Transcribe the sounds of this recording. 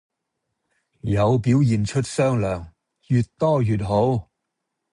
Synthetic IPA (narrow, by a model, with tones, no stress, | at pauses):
jɐ˨˧wpiː˨˥wjiː˨˩nt͡ʃʰɵ˥t̚sœː˥ŋlœː˨˩ŋ | jy˨˧t̚t̪ɔː˥jyː˨t̚ɦo˨˥w